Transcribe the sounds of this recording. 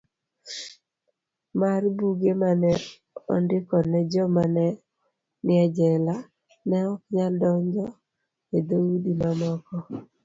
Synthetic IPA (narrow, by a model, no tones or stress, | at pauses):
marbuɡemanɛ | ɔ̰ndɪkɔnɛd͡ʒɔmanɛ | nɪad͡ʒɛla | nɛɔkɲaldɔɲd͡ʒɔ | ed̪owudimamɔkɔ